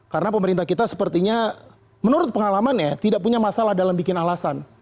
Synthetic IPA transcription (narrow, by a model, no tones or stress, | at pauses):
kaɾənapəməɾint̪ahkit̪asə̥pərt̪iɲa | mənuɾʊt̪̚pəŋalamanjat̪idaʔ̚puɲamasalahdalambikɪnalasan